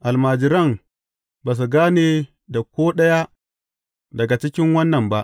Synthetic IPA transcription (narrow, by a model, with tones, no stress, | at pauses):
ʔa˨lmaː˨d͡ʒɪ˨ɾɐ˦˨m | baː˨s̬u˨ɡaː˦neː˨ | da˨kʷoː˦ɗɐ˦ja˦ | dɐ˨ɡa˨t͡ʃɪ˦kʲɪ˦ŋwɐ˦nːɐ˨mba˦ʔ